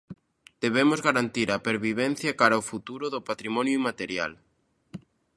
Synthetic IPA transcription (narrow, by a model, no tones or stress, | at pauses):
d̪̥eβemʊzɣaɾant̪iɾapeɾβiβ̞ɛn̟θjɐkaɾɐofut̪uɾʊðʊpat̪ɾimɔnjʊimat̪eɾja̰l